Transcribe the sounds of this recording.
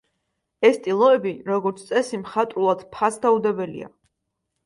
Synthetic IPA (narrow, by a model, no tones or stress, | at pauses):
ɛst̪ʼilˠɔɛbiɾɔɡɔɾt̪sʰt̪sʼɛsimχat̪ʼɾulˠad̪̥pʰasd̪aud̪ɛbɛlḭa̰